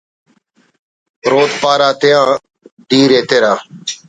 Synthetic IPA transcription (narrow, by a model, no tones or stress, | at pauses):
ɾoːt̪paːɾaːt̪ɪjãː | ɖiːɾeːt̪eːɾaː